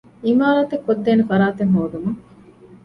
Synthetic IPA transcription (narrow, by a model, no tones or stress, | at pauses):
imaːɾaːt̪ekːod̪ːeːnefɐɾaːt̪eŋɦoːd̪umuŋ